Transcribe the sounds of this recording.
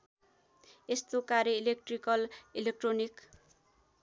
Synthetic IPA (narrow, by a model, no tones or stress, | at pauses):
est̪okaɾjʌilek̚ʈrikʌlilek̚ʈronik